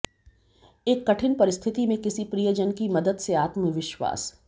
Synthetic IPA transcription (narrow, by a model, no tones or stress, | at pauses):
eːkːɐʈʰɪnpɐɾɪst̪ʰɪt̪imẽkɪsipɾijəd͡ʒənkimɐd̪əd̪seaːt̪məʋɪʃwa̰ːs